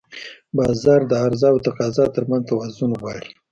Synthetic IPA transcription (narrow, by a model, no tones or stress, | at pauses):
bɑzɑɾd̪əaɾzɑwt̪aqɑzɑt̪əɾmanzt̪awazʊnɣwɑɽi̥